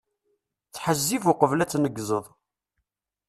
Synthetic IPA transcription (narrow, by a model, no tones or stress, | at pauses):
t͡sːħəzːivʊqəvlæt͡sːnəɡːzəðˤ